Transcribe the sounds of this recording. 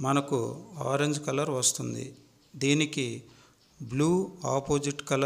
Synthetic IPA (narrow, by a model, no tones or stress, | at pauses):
mɐnɐkua̰ːɾeɲd͡ʒkɐlɐɾʋɐst̪und̪ḭ | d̪iːniki | bluːaːpoːd͡ʒiʈkɐlɐ